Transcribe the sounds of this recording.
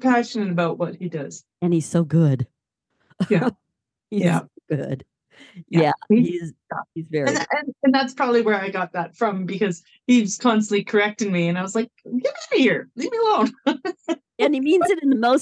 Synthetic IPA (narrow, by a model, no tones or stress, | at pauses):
pʰæʃɨ̃nɨɾɨbaʊʔ̚wʌt̚hidʌz̥ | ɨ̃niz̥soʊɡʊd̥ | jæ | ijæoʊɡ̥ʊd̥ | jæiizʌ̰izvɛɹɨ̃ʔɨ̃nɨ̃nðætspʰɹ̥ɑbəbliwə˞aɪɡɑt̪̚ðətfɹʌ̃mbɨkʌz̥ | hiz̥kʰɑ̃nstəʔˡlikʰə˞ɛk̚tɪ̃ŋmiɨ̃naɪwʌzlaɪk̚ɡ̥ɪvihɪɹlivmiəlõʊ̃n | ɨ̃nimĩnzɨɾɨ̃nðəmoʊs